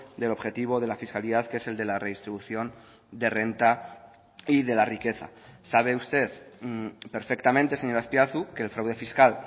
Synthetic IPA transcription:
d̪e̞lo̞βxe̞t̪iβ̞o̞ð̞e̞lafiskaliðaðkee̞se̞ld̪e̞lare̞ist̪ɾiβuθjo̞n | d̪e̞re̞nt̪a | ið̞e̞larike̞θa̰saβ̞e̞ust̪e̞ð | pe̞ɾfe̞k̚t̪amẽnt̪eseɲo̞ɾaspjaθukelfɾawð̞e̞fiskal

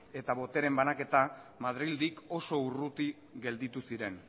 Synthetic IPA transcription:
e̞t̪aβo̞t̪e̞ɾe̞mbanake̞t̪amað̞ɾild̪iko̞so̞urut̪i | ɣe̞ld̪it̪usiɾe̞n

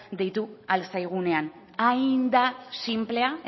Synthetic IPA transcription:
d̪ejt̪ualsajɣ̞une̞an | ajnd̪asimple̞a

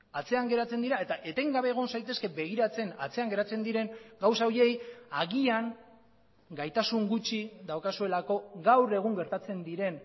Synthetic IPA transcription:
at͡se̞aŋɡe̞ɾat͡send̪iɾae̞t̪aʔe̞t̪e̞ŋɡaβe̞ːɣ̞o̞nsajt̪e̞ske̞be̞ɣ̞iɾat͡se̞na̰t͡se̞aŋɡe̞ɾat͡se̞nd̪iɾe̞ŋɡawsaoje̞jaɣiaŋ | ɡajt̪asuŋɡut͡ʃid̪awkasue̞lako̞ɣawre̞ɣ̞uŋɡe̞ɾt̪at͡se̞nd̪iɾe̞n

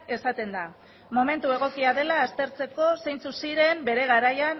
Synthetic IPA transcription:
e̞sat̪e̞nd̪a | mo̞me̞nt̪ue̞ɣ̞o̞kiaðe̞laːst̪e̞ɾt͡se̞ko̞se̞jnt͡susiɾe̞mbe̞ɾe̞ɣ̞aɾajan

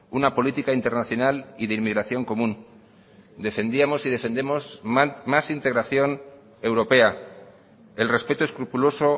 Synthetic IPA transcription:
unapo̞lit̪ikaint̪e̞ɾnaθjo̞naliðeimːiɣɾaθjo̞ŋko̞mũn | d̪e̞fe̞nd̪iamo̞sið̞efe̞nd̪emo̞smasint̪e̞ɣɾaθjo̞n | e̞wɾo̞pe̞a | e̞lre̞spe̞t̪oeskɾupulo̞so̞

